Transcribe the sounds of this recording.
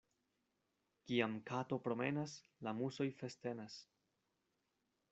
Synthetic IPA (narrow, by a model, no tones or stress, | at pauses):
kiamkato̞pɾo̞me̞nas | lamuso̞jfe̞ste̞nas